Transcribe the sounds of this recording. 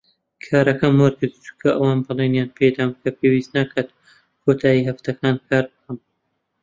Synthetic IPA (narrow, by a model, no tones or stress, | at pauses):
kʰaːɾɐkɐmwɐɾɡɨɾd̪t̪u̥kʰɐʔɐwaːnbɨlˠenjaːnpʰeːd̪aːmkʰɐpʰeːwiːst̪nakʰad̪ | kʰoːt̪ʰaːjiɦɐft̪ɐkʰaːnkʰaːɾbɨkʰɐm